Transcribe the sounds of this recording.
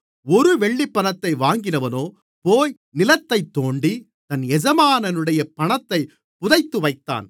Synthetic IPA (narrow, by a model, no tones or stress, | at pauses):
ɔɾɯʋɛɭːipːɐnɐt̪ːɐɪʋaːŋɡɪnɐʋɐnoː | poːj | nɪlɐt̪ːɐɪt̪ːoːɳɖi | t̪ɐnɛd͡ʒɐmaːnɐnɯɽɐjɐpɐɳɐt̪ːɐɪ | pʊðɐɪt̪ːɯʋɐɪt̪ːa̰ːn